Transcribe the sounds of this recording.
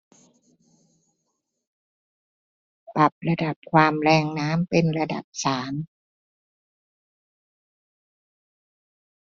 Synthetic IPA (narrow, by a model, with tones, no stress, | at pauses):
pa˨˩p̚la˧da˨˩p̚kʰwaː˧mlɛː˧ŋnaː˦˥mpe˧nɾa˧da̰˨˩p̚saː˩˦m